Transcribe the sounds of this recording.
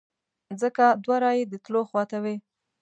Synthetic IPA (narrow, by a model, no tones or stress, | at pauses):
zəkad̪waɾɑjed̪ət̪loxwɑt̪awe